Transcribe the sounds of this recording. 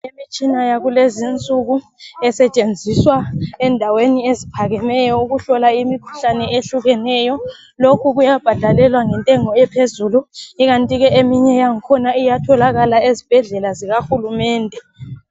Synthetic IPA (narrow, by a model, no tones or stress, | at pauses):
emit͡ʃʼinajaɣulezint͡sʼuɣu | ɛsɛt͡ʃʼend͡zʱiswaɛndʱaweniezipʰaɣɛmɛjɔuɣuɬɔlaimikʰu̥ɬanɛeɬuɣɛnɛjɔ | lokʰuɣujab̥ʱad̥ʱalɛlwaŋɛntʼɛŋɔɛpʰezuluiɣantʼiɣɛemiɲɛjaŋikʰɔnaijatʰɔlaɣalaezib̥ʱɛɮɛlaziɣaxulumɛːndʱɛ